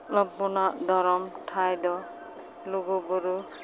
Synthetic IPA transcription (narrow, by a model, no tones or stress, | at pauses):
lɔɡ̚bɔnad̪ʱɔɾɔmʈʰajd̪ɔ | loɡɔbɔɾu